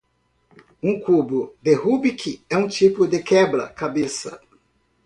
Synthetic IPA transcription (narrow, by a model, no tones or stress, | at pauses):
ũkubʊd̪ehubikʰɪɛũt͡ʃipʊd̪ɪkɛbɾɐ̰kabesɐ̰